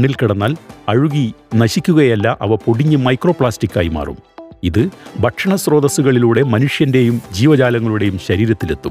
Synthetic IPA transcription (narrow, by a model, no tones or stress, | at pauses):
ɳːilkiɽɐnːaːlɐɻuɣinɐɕikʲːuɣɐjɐlːɐʔɐ̰ʋɐpoɽiɲːɨmɐjkro̞ːpɭaːstikʲːaːjima̰ːrṵmiðɨbʱɐʈʂɐɳɐsro̞ːðɐsuɣɐɭiluːɽe̞mɐnuʂjɐnde̞jumd͡ʑiːʋɐd͡ʑaːlɐŋːɐɭuɽe̞jumɕɐɾiːɾɐt̪ːilet̪ːum